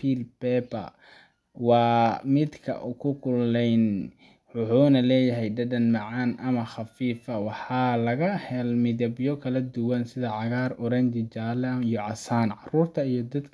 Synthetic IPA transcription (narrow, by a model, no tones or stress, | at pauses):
pʰiːlpɛːbɐ̰ | wɑːmɪd̪kʰɐ̰ʔʊkʰʊkʰʊlɛjn | ħʊħʊːnɐlɛːjɐɦɛjɖɐɖɐnmɑʕɑːnʔɐmɐχɑfiːfɐwɑħɑːlɐɣɐhɛlmɪðɐbjɔkʰɐlɐd̪ʊwɐnsɪðɐʕɑɣaːrʊɾɐnd͡ʒɪt͡ʃaːlɛijɔʕɑsaːnʕɑruːrt̪ʰɐijɔd̪ɐd̪kʰ